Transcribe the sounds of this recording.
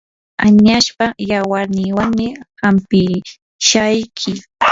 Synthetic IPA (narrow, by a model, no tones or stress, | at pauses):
aɲaʃpajawaɾnɪːwaŋmɪhampɪ | ʃajkʰɪ